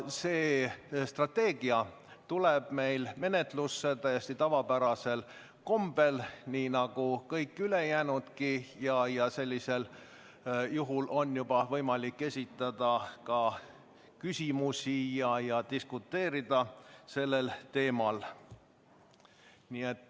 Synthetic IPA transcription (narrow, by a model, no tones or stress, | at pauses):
se̞ːst̪rɑt̪ːe̞ːɡ̥iɑ | t̪uleb̥me̞jlme̞ne̞t̪lusːet̪æjesʲt̪it̪ɑvɑpæɾɑse̞l | ko̞mb̥e̞lniːnɑɡ̥ukɤjkˑːyle̞jæːnud̪̥kijɑjɑse̞lʲːise̞l | juɦulʔo̞njub̥ɑvɤjmɑlikːe̞sʲit̪ːˑɑd̪̥ɑkɑ | kysʲimusʲijɑjɑt̪iskut̪ːe̞ːɾid̪ɑse̞lːe̞lt̪e̞ːmɑl | niet̪ːˑ